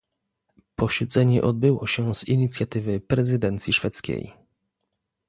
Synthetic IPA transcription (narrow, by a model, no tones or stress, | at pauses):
pɔɕɛd̪zɛɲɛ̰ʔɔd̪̚bɘwɔɕɛz̥iɲit̪sʲjat̪ɘvɘpɾɛzɘd̪ɛnt̪sʲjiʂfɛt̪skʲḛj